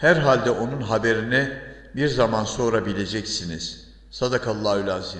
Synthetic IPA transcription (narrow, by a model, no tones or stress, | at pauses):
hæɾɦalʲd̪ɛʔo̞nunɦabe̞ɾinɛ | biɾzamanso̞ɾabilʲe̞d͡ʒɛcsiniz̥ | sad̪akʰalˠːaːylʲaːzi